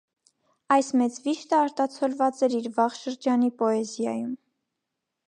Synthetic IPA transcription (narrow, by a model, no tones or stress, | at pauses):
ɑjsmɛt͡sviʃt̪əɑɾt̪ɑt͡sʰɔlvɑt͡sɛɾiɾvɑʁʃəɾd͡ʒɑnipɔɛzjɑ̰jum